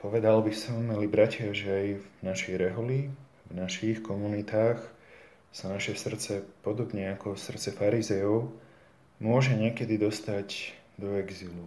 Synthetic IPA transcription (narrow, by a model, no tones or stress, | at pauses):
pɔʋɛd̪albisɔmlibɾacɪaʒɛajvnaʃɛjɾɛɦɔli | vnaʃixkɔmunit̪aːx | sanaʃɛsr̩t͡sɛpɔd̪ɔbɲɛakɔsr̩t̪t͡sɛfaɾizɛjɔʊ | mʊɔʒɛɲɪɛkɛd̪id̪ɔst̪aɟd̪ɔɛɡzilu